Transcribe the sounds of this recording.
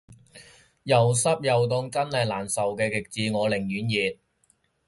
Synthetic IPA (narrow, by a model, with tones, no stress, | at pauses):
jɐ˨˩wsɐ˥p̚jɐ˨wt̪̬ʊ˧ŋt͡sɐ˥nlɐ˨˩jlaː˨˩nsɐ˨wkɛː˧kɪ˨k̚t͡siː˧ŋɔː˨˧lɪ˨˩ŋjyː˨˥njiː˨t̚